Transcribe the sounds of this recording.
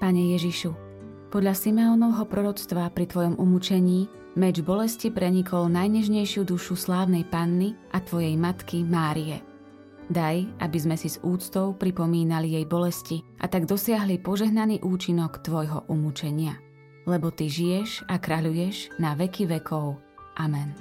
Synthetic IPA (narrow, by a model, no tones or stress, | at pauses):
paɲɛjɛʒiʃu | pɔd̪ʎasimɛɔːnɔʊɦɔpɾɔɾɔt͡st̪ʋapɾit̪ʋɔjɔmumut͡ʃɛɲiː | mɛd͡ʒbɔlɛscipɾɛɲikʰɔlnajɲɛʒɲɛjʃɪud̪uʃuslaːʊnɛjpanːiʔat̪ʋɔjɛjmat̪kimaːɾiɛ | d̪ajʔa̰bizmɛsizuːt͡st̪ɔʊpɾipɔmiːnalijɛjbɔlɛsciʔa̰t̪aɡd̪ɔsɪaɦlipɔʒɛɦnaniːʔuːt͡ʃinɔkt̪ʋɔjɦɔʔumut͡ʃɛɲɪa | lɛbɔt̪iʒijɛʃakɾaʎujɛʒnaʋɛkiʋɛkʰɔʊ | ʔamɛn